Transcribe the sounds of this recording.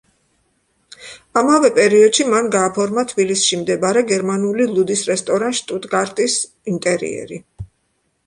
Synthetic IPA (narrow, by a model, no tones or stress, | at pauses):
amavɛpʼɛɾiɔd̪̥ʃimanɡaːpʰɔɾmat̪ʰbilisʃimd̪ɛbaɾɛɡɛɾmanulilˠud̪isɾɛst̪ʼɔɾanʃt̪ʼut̪ʼɡaɾt̪ʼis | int̪ʼɛɾḭɛ̰ɾi